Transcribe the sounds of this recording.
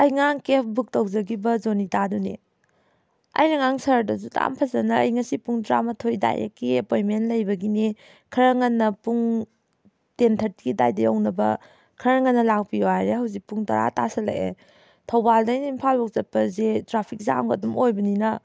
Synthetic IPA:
ɐjŋaŋkep̚ʰbuk̚tɐwzɐɡibɐzonitadunḭ | ɐ̰jnɐŋaŋsɐɾdɐzutʰa̰mpʰɐzɐnɐɐ̰jŋɐsipuŋdɾa̰mɐtʰojda̰jɐ̰kːiepojmenlɐjbɐɡini | kʰɐɾɐŋɐnːɐpuŋ | tentʰɐt̚ɡida̰jdɐjownɐbɐ̰ | kʰɐɾɐŋɐnːɐlak̚pioajɾehɐwzik̚puŋtɐ̰ɾa̰tasɐlɐ̰ʔḛ | tʰɐwbaldɐjnimpʰalbɔk̚zɐt̚pɐzetɾapʰik̚za̰mɡɐ̰dumojbɐninɐ

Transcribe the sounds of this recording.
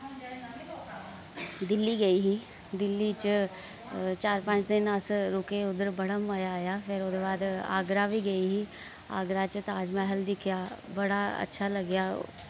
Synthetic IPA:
d̪ɪlːiːɡəiːɦiː | d̪ɪlːiːt͡ʃ | t͡ʃaːɾpə̃t͡ʃt̪ɪnəsɾʊkeʊd̪əɾbəɽəmːaːjaːjaːpʰɪɾoːd̪eːbaːd̪a̰ːɡɾaːʋiːɡəiːɦiː | a̰ːɡɾat͡ʃt̪aːd͡ʒmɛ̃ːɦəld̪ɪkʰjaːbəɽaə̰tːʃʰaːləɡjaː

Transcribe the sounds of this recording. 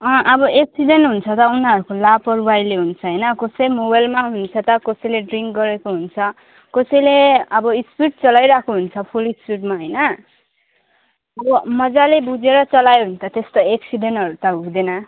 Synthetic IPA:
ʌ̃ʔʌbʌʔeksiɖenʈɦunt͡sʰʌt̪ʌunʌɾukolapʌɾuwajleɦunt͡sʰʌɦʌjnʌkosʌjmobajlmaɦunt͡sʰʌt̪ʌkosʌjleɖriŋkɡʌɾekoɦunt͡sʰʌ | kosʌjleʌbʌispiʈ̚t͡sʌlajɾakʰoɦunt͡sʰʌpʰulispiʈmaɦʌjnʌ | ʌbʌmʌd͡zalebud͡zeɾʌt͡sʌlajeɦunt͡sʰʌt̪est̪oeksiɖenʈɦʌɾut̪ʌɦud̪enʌ

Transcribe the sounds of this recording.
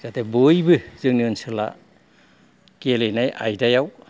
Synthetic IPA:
zatebojbɯzɯŋniɯnsɯla̰ | kelenajʔa̰jdajaw

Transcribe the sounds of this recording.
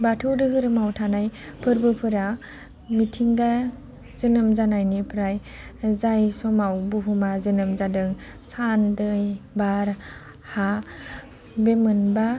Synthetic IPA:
batʰɯwdɯɦɯɾɯmawtʰanajpʰɯɾbɯpʰɯɾa | mitʰiŋda | zɯnɯmzanajnipʰɾaj | zajsɔmawbuɦʰumazɯnɯmzadɯŋ | sandɯjbaɾ | ha | bemɯnba

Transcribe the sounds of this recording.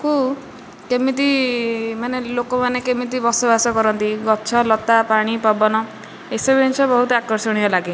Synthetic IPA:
ku | kemit̪̬imanelokɔmanekemit̪ibɔsɔbasɔkɔɾɔnt̪iɡɔt͡ʃʰɔlɔt̪apaɽ̃ipabɔnɔ | esɔbint͡ʃʰɔbɔɦut̪ɔakɔɾsɔɽ̃iɔlaɡi

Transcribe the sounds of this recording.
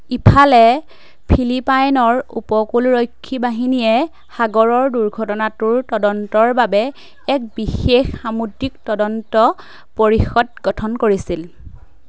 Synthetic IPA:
ipʰalɛ | pʰilipajnɔɹṵpɔkulɹojkʰːibaɦinijɛ | xaɡɔɹɔɹduɹɡʱɔtɔnatʊɹtɔdɔntɔɹbabɛ | ɛk̚bixexxamudiktɔdɔntɔ | poɹixɔd̚ɡɔtʰɔnkoɹisil

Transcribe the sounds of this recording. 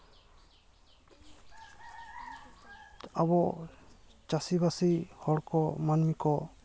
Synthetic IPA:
abɔ | t͡ʃasibasihɔɽkɔmanmikɔ

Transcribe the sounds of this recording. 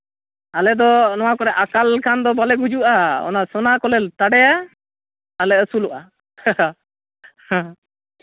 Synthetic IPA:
alɛd̪ɔnɔwakɔɾɛʔakalkʰand̪ɔbalɛɡud͡ʒuʔaɔ̰nasɔnakɔlɛlt̪aɽɛjaː | lɛəsuluʔa | hã

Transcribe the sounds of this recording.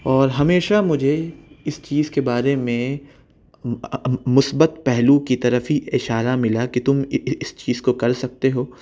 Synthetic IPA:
ɔːɾɦɐmeːʃamʊd͡ʒʱeɪst͡ʃiːzkebaːɾemẽ | mʊsbət̪̚pɛɦlukit̪ɐɾəfɦiɪʃaːɾamɪlakit̪ʊmɪst͡ʃiːzkokɐɾsɐk̚t̪eɦoː

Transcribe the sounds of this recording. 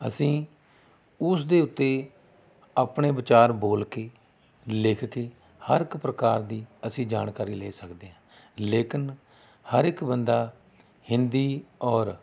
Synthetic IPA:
ə̰sĩː | ʊsd̪eːʊt̪ːeː | aːpɳeːbɪt͡ʃaːɾboːlkeː | lɪkʰkeː | həɾɪkpɾəkaːɾd̪iːəsĩːd͡ʒaːnkaːɾiːleːsəkd̪eːɦãː | leːkɪn | həɾɪkbənd̪aː | hɪnd̪iːɔːɾ

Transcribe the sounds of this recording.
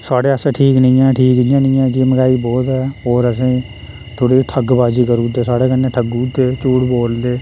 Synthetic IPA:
saːɽeːəsẽʈʰiːknəĩːɛ̃ːʈʰiːkd̪ɪːãːnə̃ːɛ̃ːkɪməɡaːiːbɔːt̪ɛːɔːɾəsĩː | t̪ʰoːɽiːʈʰəɡbaːd͡ʒiːkəɾuːd̪eːsaːɽeːkənːeːʈʰəɡuːd̪eːt͡ʃuːɽboːld̪eː

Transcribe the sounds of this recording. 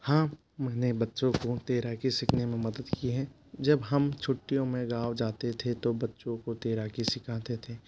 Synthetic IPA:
hãː | mɛːnebɐtːʃõkot̪eːɾakisɪkʰnemẽmɐd̪əd̪kiɦɛː | d͡ʒɐbɦɐmt͡ʃʰʊʈːijõmẽɡaːʋd͡ʒaːt̪et̪ʰet̪obɐtːʃõkot̪eːɾakisɪkʰaːt̪et̪ʰeː

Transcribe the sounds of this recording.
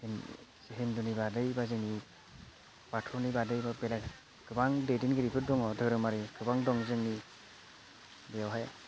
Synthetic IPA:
nseɦendɔnibadɯjbazɯŋi | b̥atʰɔnibadɯjbabela | ɡ̥ɯbaŋdedinɡɯɾipʰɯt̚dɔŋɔdɯɾɯmaɾiɡɯbaŋdɔŋzɯŋni | bejawɦaj

